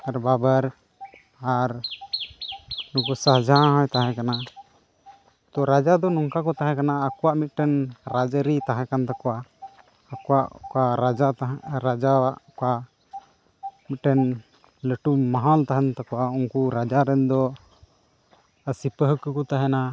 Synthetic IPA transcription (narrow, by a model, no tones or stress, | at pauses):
aɾbabaɾ | aɾ | nukusaɦd͡ʒʱãɦɔ̃jt̪aɦɛ̃kana | t̪ɔɾad͡ʒad̪ɔnɔŋkakɔt̪aɦɛ̃kanaːkɔwaʔmit̪̚ˀʈɛnɾad͡ʒəɾit̪aɦɛ̃kant̪akɔʔaː | kɔwaʔkaɾad͡ʒat̪aɾad͡ʒawaʔka | mit̪̚ˀʈɛn | ləʈumaɦalt̪aɦɛnt̪akɔwauŋkuɾad͡ʒaɾɛnd̪ɔ | əsipəɦəkəkɔt̪aɦɛna